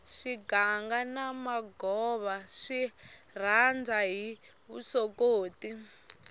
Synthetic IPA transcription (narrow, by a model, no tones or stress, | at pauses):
ʃiɡaŋɡanamaɡɔβaʃir̤and͡zaɦi | βṵsokoːti